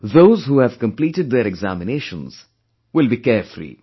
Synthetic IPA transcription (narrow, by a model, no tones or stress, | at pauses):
ðoʊzhuːhæv̥kə̃mpliːʈɪd̪̚ðəɾɛɡzæ̰mɪneʃə̃nz̥ | wɪlˠbikɛflḭ